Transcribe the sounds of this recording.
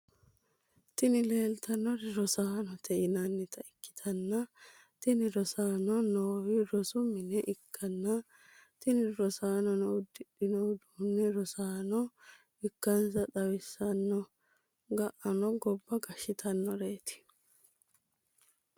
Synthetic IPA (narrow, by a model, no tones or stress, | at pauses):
t̪ɪnɪle̞ːlt̪ʰɐnːɔɾɪɾɔsaːnɔt̪ʰɛʔɪnɐnːɛt̪ʰɐɪkːɪ̥t̪ʰɐnːɐ | t̪ɪnɪɾɔsaːnɔnoːwɪɾɔsʊmɪnɛʔɪkʰːɐnːɐ | t̪ɪnɪɾɔsaːnɔnɔʊd̪ːɪɗɪnɔd̪unːɛɾɔsaːnɔ | ɪkːɐnsɐᶑɐwɪsːɐnːɔ | ɡɐʔɐnɔɡɔbːɐɡɐʃɪt̪ʰɐnːɔɾeːt̪ɪ̥